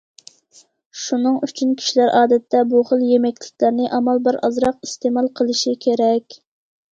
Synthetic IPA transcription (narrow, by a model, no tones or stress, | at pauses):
ʃunɨŋyt͡ʃʰynkʲʰi̥ʃilæɾʔɑːd̪ɛt̪ʰːɛbuχəlˠjemɛkʲlɪk̚ʲlæɾnɪʔɑmɑlˠbəɾɑ̰zɾɑqist̪emɑlˠqʰəlˠɨʃikʲʰeɾɛkʲ